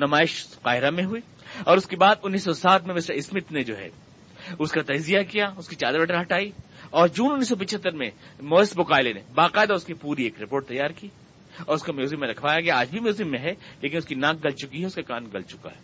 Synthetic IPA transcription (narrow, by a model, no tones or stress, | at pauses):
nɐmaːɪʃqaːɦɪɾamẽɦʊi | ɔːɾʊskebaːd̪ʊnːiːsːɔsaːt̪ʰmẽmɪsɾaɪsmɪt̪ned͡ʒoːɦɛ̰ː | ʊskat̪ɐd͡ʒzijakijaʊskit͡ʃaːd̪əɾbɐʈəɾɦɐʈaːiɔːɾd͡ʒuːnʊnːiːsːɔp̬ɐt͡ʃʰət̪ːəɾmẽmɔːɪsbʊkaːɪlenḛbaːqaːɪd̪aʊskipuːɾieːkɾɪpoːʈ̚t̪ɐjːaːɾkiː | ɔːɾʊskamoːz̬ɪmːẽɾɐkʰʋaːjaɡejaaːd͡ʒbʱimjoːzɪmːẽɦɛleːk̬ɪnʊskinãːk̚ɡɐlt͡ʃʊkiɦɛʊskakaːnɡɐlt͡ʃʊka̰ɦɛː